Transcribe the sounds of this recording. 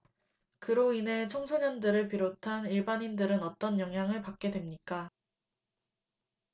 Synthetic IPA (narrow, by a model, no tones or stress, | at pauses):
kɯɾoine̞t͡ɕʰoŋsʰoɲʌndɯɾɯɭpiɾotʰaniɭbaɲindɯɾɯnʌt͈ʌnjʌŋɦjaŋɯɭpak̚k͈e̞dwe̞mɲik͈a